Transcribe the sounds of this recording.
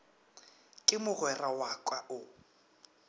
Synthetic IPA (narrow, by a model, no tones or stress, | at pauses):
kʼɪmʊɣwɛrawakʼwaʔʊ